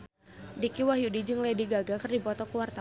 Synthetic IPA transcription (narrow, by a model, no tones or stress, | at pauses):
dikiwaɦjudid͡ʒɨŋlediɡaɡakɨrdipɔt̪ɔkuwart̪a